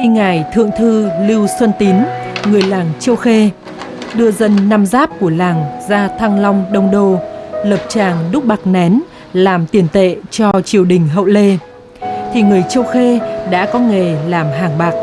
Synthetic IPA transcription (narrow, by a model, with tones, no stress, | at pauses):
xi˧ŋa˨˩jt̪ʰɨ̰˧˨əŋt̪ʰɨ˧li˧wswə˧nt̪i˨˦nŋɨ˨˩əjlaː˨˩ŋt͡ɕə˧wxe˧ | ɗɨ˧əzə˧nːa˧mzaː˦˥p̚ku˧˩əlaː˨˩ŋzaː˧t̪ʰa˧ŋla˧wŋ͡mɗə˧wŋ͡mɗo˧lə˨˩p̚t͡ɕaː˨˩ŋɗʊ˦˥k͡p̚ɓa˨˩k̚nɛ˨˦n | laː˨˩mt̪i˧˩ənt̪ḛ˧˨t͡ɕɔ˧t͡ɕi˨˩əwɗï˨˩ŋ̟ɦə̰˧˨wle˧ | t̪ʰi˨˩ŋɨ˨˩əjt͡ɕə˧wxe˧ɗa̰ː˧˥kɔ˨˦ŋe˨˩laː˨˩mɦaː˨˩ŋɓaː˨˩k̚